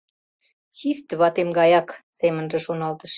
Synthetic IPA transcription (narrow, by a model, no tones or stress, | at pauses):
t͡ɕist̪βɑt̪emɡɑjɑksemə̆nʒĕʃonɑlt̪ə̆ʃ